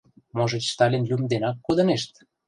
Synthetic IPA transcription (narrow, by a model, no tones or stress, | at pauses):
moʒĕt͡ɕst̪ɑlʲenlʲymd̪enɑkːod̪ɤ̆neʃt̪